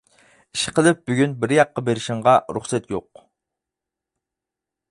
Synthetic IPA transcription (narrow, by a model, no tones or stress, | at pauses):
iʃɪ̥qʰəlˠɪp̚byɡʲynbɪɾjɑqːɑbeɾɪʃɪŋʁɑɾṵχsɛt̪joq